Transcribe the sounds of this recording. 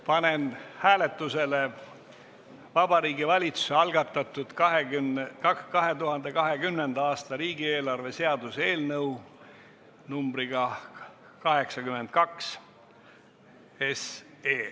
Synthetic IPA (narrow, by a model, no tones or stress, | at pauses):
pɑne̞nhæːlet̪ːˑuse̞le | vɑbɑɾiːɡivɑlʲit̪su̥seɑlɡ̥ɑt̪ːˑɑt̪ːˑud̪̥kɑɦekkɑɦe̞t̪uɦɑnd̪e̞kɑɦe̞ɡymne̞nd̪ɑɑːst̪ɑɾiːɡie̞ːlɑrve̞se̞ɑd̪̥use̞ːlnɤw | numbɾiɡ̥ɑ | kɑɦe̞ksɑkyme̞nd̪̥̚kɑks | es | eː